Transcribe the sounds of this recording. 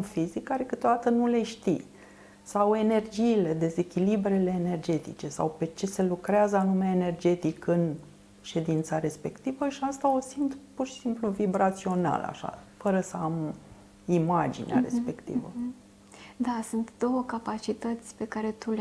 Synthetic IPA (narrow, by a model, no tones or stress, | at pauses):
fizikːaɾekɨt̪od̪at̪ənule̞ʃt̪i | sawe̞ne̞rd͡ʒiːle̞d̪e̞ze̞kʲilibɾele̞ːne̞rd͡ʒe̞t̪ḭt͡ʃe̞sa̰wpe̞t͡ʃe̞se̞lukɾeazəanumeaene̞rd͡ʒe̞t̪ikɨn | ʃe̞d̪int̪saɾe̞spe̞kt̪ivəʃiast̪ao̞sint̪purʃi̥simpluvibɾat̪sio̞na̰la̰ʃa̰fəɾəsəam | imad͡ʒḭnea̰ɾe̞̰spe̞kt̪ḭvə̰ | d̪asunt̪d̪o̞wəkapat͡ʃit̪ət̪sʲpe̞kaɾe̞t̪ul